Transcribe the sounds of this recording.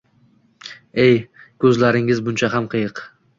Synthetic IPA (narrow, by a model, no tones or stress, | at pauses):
ejkʰʲɵzlaɾɪŋɪzbʊnt͡ʃʰaɦamqʰɨjɨq